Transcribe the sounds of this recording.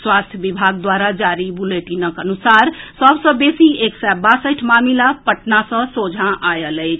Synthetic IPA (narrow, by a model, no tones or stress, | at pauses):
swast̪ʰjəbibʱaɡ̚d̪waɾad͡ʒaɾibuleʈinəkənusaɾsəbsə̃besieksabasəjʈʰmamilapəʈnasə̃sod͡ʒʱãʔajələɪt͡ʃʰ